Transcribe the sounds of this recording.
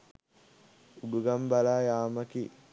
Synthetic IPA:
uɖuɡɐmbɐlaːjaːmɐki

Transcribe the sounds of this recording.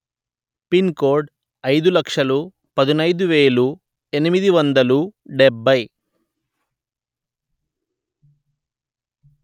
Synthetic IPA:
pinkoːɾɖ | ɐjd̪ulɐkʂɐlu | pɐd̪inɐjd̪uʋe̞ːlu | enimid̪iʋɐnd̪ɐluɖɛbːɐj

